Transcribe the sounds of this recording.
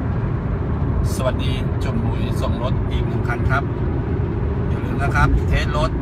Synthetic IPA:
sa˧wa˨˩t̪̚diː˨˦t͡ɕo˧˩mɾuː˧˩˦jso˨˦ŋɾo˦˥t̪̚piː˨˩muː˨˧˩kʰa˧˥˨nkʰa˦˥p̚ | du˨˦lɯː˨˧˦ŋlaː˧˩kʰa˦˥p̚t̪ʰeː˧˥n̚lo˦˥t̪̚

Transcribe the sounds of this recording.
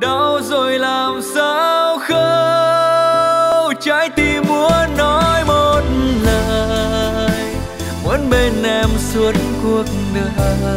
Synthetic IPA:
ɗa˨˧˦wzo˨˩jlaː˨˩msaː˧˦wxə˧ | t͡ɕa˧˥jt̪i˧˩mːu˨˦ənɔ˨˦jmo˧t̚ləː˨ | j | mu˨˦nɓe˧nʔɛ˧msu˨˦ənku˨˧˩ək̚nɨ˧

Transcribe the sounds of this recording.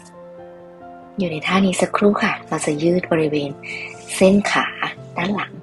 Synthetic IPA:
juː˨˩na˧jt̪ʰaː˥˩niː˧˥sa˨˧kʰɾuː˥˩kʰa˥˩ɾa˧˩wt͡ɕa˨˩jɯː˥˩t̪̚bɔː˧ɾi˦˥weː˧nse˥˩nkʰaː˩˦t̪a˦˥˩nla˩˦ŋ

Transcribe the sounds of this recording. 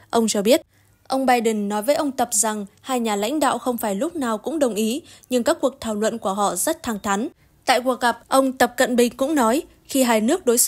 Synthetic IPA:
ʔə˧wŋ͡mt͡ɕɔ˧ɓi˦˥ət̚ | ʔə˧wŋ͡mɓaː˧jɗə˨˩nːɔ˨˦jvəː˨˦jʔə˧wŋ͡mt̪ə˨˩p̚za˨˩ŋhaː˧jɲaː˨˩la̰˧˥ŋ̟ɗa̰ː˧˨wxə˧wŋ͡mfaː˧˩jlʊ˦˥k͡p̚naː˨˩wkʊ̰˧˥ŋ͡mɗə˨˩wŋ͡mʔi˨˦ɲɨ˧ŋkaː˦˥k̚ːu˨˩ək̚t̪ʰaː˧˩wlwə̰˧˨nku˧˩əɦɔ̰˧˨zə˦˥t̚t̪ʰaː˧˩ŋt̪ʰa˨˦ŋ | t̪a̰ː˧˨jku˨˩ək̚ɣa˨˩p̚ʔə˧wŋ͡mt̪ə˨˩p̚kə̰˧˨nɓï˧˩ŋ̟kʊ̰˧˥ŋ͡mnɔ˨˦j | xi˧ɦaː˧jnɨ˦˥ək̚ɗo˨˦js

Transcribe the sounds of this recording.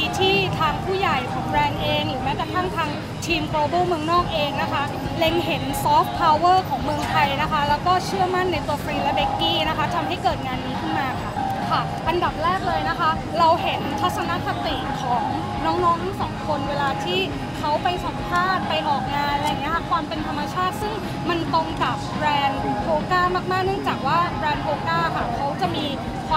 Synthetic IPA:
i˧t̪ʰiː˥˩t̪ʰaː˧ŋpʰuː˥˩ja˨˩jkʰɔː˩˦ŋɾɛː˧ŋʔeː˧ŋɾɯː˩˦mɛː˦˥kɾa˧t̪ʰa˥˩ŋt̪ʰaː˧ŋ | t̪ʰiː˧mkɾoː˧boː˥˩mɯ˧əŋnɔː˥˩k̚ʔeː˧ŋna˦˥kʰa˦˥ | le˧ŋɦe˩˦nsɔː˦˥fpʰːa˧wwɤː˥˩kʰɔː˩˦ŋmɯ˧əŋt̪ʰa˧jna˦˥kʰa˦˥lɛː˦˥wkɔː˥˩t͡ɕʰɯ˥˩əma˥˩nːa˧jt̪u˧ɐfɾiː˧lɛ˦˥be˦˥kːiː˥˩na˦˥kʰa˦˥t̪ʰa˧mɦa˥˩jkɤː˨˩t̪̚ŋaː˧nːiː˦˥kʰɯ˥˩nmaː˧kʰa˥˩ | kʰa˥˩ | ʔa˧nda˨˩p̚ɾɛː˥˩k̚lɤː˧jna˦˥kʰa˦˥ | ɾa˧wɦe˩˦nt̪ʰa˦˥t̪̚sa˧na˦˥ʔsa˧˩t̪iː˨˩ŋkʰɔ˩˦ŋ | nɔː˦˥ŋnɔː˦˥ŋt̪ʰa˥˩sɔ̰ː˩˦ŋkʰo˧nweː˧laː˧t̪ʰiː˥˩ | kʰa˦˥wpa˧jsa˩˦mpʰaː˥˩t̪̚pa˧jʔɔː˨˩k̚naː˧nla˧jːa˨˩ŋːi˦˥ɐkʰa˥˩kʰwaː˧mpe˧nt̪ʰa˧mːa˧t͡ɕʰaː˥˩t̪̚sɯ˥˩ŋ | ma˧nt̪o˧ŋka˨˩p̚ɾɛː˧npʰoː˧kaː˥˩maː˥˩k̚maː˥˩k̚nɯ˥˩əŋt͡ɕaː˨˩k̚waː˥˩bɾɛː˧npʰoː˧kaː˥˩kʰa˥˩kʰa˦˥wt͡ɕa˨˩miː˧ | kʰa˧

